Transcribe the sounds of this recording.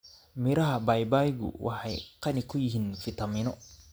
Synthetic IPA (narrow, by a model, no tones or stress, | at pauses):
miɾahabajbajɡṵwʔa̰ħajqanikujiɦinfit̪aminɔ